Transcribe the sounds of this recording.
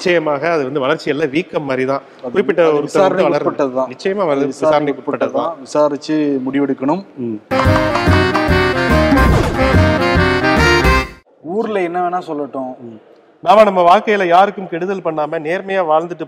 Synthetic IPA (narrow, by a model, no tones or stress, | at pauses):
nɪt͡ʃːɐjɐmaːɣɐːðɯʋɐnd̪ɯʋɐɭɐɾt͡ʃːɪjɛlːãːʋiːkːɐmːaːd̪ɾit̪ãː | ʊɾɪkpːɪʈːɐɔɾɯɪsːɐaɐɾɐdkʋɐɭɐɾpːɐʈːɐðɯt̪ãːnɪt͡ʃːɐjɐmaːʋɐɾɐðɯʋɪːsaːɾɐnɪkːʊɽɪpɐpːɐʈːɐðt̪ːãʋɪsaːɾɪt͡ʃːɯmʊɽɪʋɛɽɯkːɐɳɯm | uːɾɪlɐɛnːɐʋeːnaːsɔlːɐʈːʊ̃ | naːmɐnɐmːɐʋaːɻkːɐjɪlɐjaːɾɯkːɯmkɛɽɯðɐlpɐɳːaːmɐneːɾmɐjaːʋaːɻnd̪ɯʈːɯ